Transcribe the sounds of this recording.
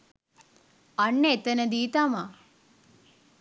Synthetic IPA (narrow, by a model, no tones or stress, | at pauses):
ɐnːet̪ɐnɐd̪iːt̪ɐma